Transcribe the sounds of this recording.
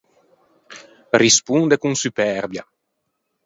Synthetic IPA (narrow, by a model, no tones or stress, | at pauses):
rispund̪ekuŋsypɛɾbja